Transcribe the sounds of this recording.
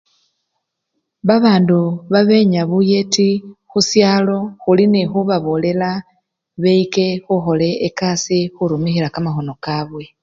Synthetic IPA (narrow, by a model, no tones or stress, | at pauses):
βaβaːnduβaβe̞ɲaβuje̞tixusjaːlo̞xulinexuβaβole̞la | βeike̞xuxo̞le̞ːkasixuɾumixilakamaxo̞no̞kaβwe̞